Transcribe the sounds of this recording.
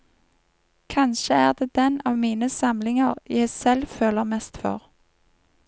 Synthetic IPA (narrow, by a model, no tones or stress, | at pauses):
kʰɑnʃəæːʁd̪eːd̪̥ɛnɑːʋmiːnəsɑmlɪŋəʁjæɪsɛlføːləʁmɛst̪fø̰ːʁ